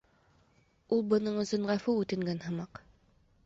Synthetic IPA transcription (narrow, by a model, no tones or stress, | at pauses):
ulˠbɤ̆nɤɴɵ̆sɵɴʁæfʉʉt̪ɘ̆ŋɡænɦɤ̆mɑq